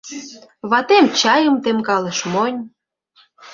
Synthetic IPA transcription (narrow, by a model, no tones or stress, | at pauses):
βɑt̪emt͡ɕɑjə̆mt̪emkɑlə̆ʃmonʲ